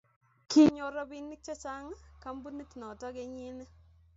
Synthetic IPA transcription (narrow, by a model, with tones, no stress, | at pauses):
ki˦˨ɲo˨ɾɔ˦bi˦nːi˦k̚t͡ʃɔ˦t͡ʃa˦ŋ˦ka˦mbu˦ni˦tnɔ˨tɔ˦ɡe˨ɲi˦n˦